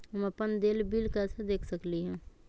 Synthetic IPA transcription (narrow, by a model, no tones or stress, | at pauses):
ɦəməpənd̪eːlbiːlkasad̪eːkʰsəkliɦɛ̃ː